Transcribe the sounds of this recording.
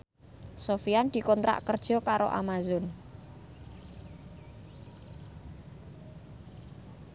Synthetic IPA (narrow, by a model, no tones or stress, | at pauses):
sofiand̪̥i̤kɔnt̪ɾa̰ʔkərd̥ʒ̥ɔ̤kaɾo̰ʔa̰mazʊn